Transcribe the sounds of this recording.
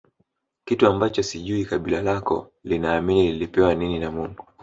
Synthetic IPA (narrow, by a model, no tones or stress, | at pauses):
kituambat͡ʃɔsiʄuikaɓilalakɔ̰ | linaːminililipɛwanininamuŋɡu